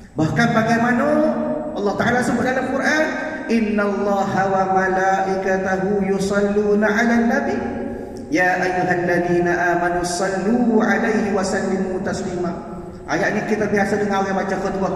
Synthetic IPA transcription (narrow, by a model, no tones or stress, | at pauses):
bahkanpaɡajmanaʔɑlːɑht̪aʕalasubʊt̪̚dalamkuɾʔan | ʔɪnːalˤːɑːɦawamalaːʔɪkat̪aɦujusɑlːuːnaʕalanːabi | jaːʔajːuɦalːaðiːnaʔaːmanusˤɑlːuːʕalajɦiwasalːɪmut̪aslima | ʔajaʔɲakit̪abiɦasadəŋajamat͡ʃamxʊt̪ba